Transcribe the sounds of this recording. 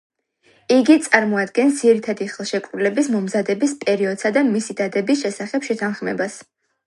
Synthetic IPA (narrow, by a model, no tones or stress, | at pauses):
iɡit̪sʼaɾmɔad̪ɡɛnsd̪ziɾit̪ʰad̪iχɛlˠʃɛkʼɾulɛbismɔmzad̪ɛbispʼɛɾiɔd̪̥sad̪amisid̪ad̪ɛbisʃɛsaχɛpʃɛt̪ʰanχmɛbas